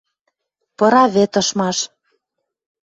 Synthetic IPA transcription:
pɤ̆ɾɑβet̪ɤ̆ʃmɑʃ

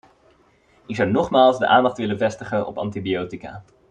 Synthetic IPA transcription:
ɪkz̥ʌwnɔχmaːlˠzdə̰ʔaːndɑχtʋɪlənvɛstəχənɔ̰pɑ̰ntibiowtika̰ː

